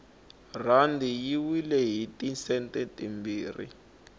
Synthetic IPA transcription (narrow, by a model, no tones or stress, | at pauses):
randʱijiwilɛɦitisɛntɛtimbiːrḭ